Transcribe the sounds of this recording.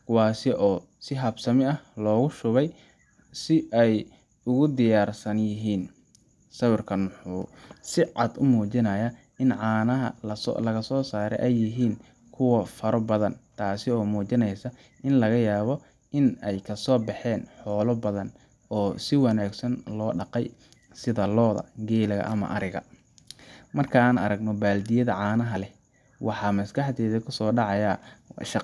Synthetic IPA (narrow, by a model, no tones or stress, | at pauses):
kʰʊwaːsɪʔɔː | sɪɦɐbsɐmɪɐhlɔːɣʊʃʊβɛj | sɪʔɛj | ʊɣʊd̪ɪjaːrsɐnjɪɦiːn | sɐβʊrkʰɐnʊħʊːsɪʕɑ̰d̪ʊmuːt͡ʃɪnɐjɐ | ʔɪnʕɑːnɐɦɐ̰lɐɣɐsɔːsaːɾɛ̰jʔɛjːɪɦiːn | kʰʊwɐfɐɾɔbɐðɐnt̪ʰaːsɪɔːmuːt͡ʃɪnɛjsɐ | ʔɪnlɐɣɐjaːβɔ | ʔɪnɛjkʰɐsɔːbɑħɛːnħɔːlɔbɐðɐn | ɔːsɪwɑnaːɡsɐnlɔːɖɑqɛj | sɪðɐlɔːðɐ̰ɡɛːlɐɣɐ̰ʔɐ̰mɐ̰ʔɐɾɪɣɐ̰ | mɐrkʰɐaːnɐɾɐɡnɔbaːld̪ɪjɐðɐʕɑːnɐɦɐlɛ | wʔɑħɑmɐsɡɐħt̪ɛːðɐkʰʊsɔːɖɑʕɑjɐʃɑ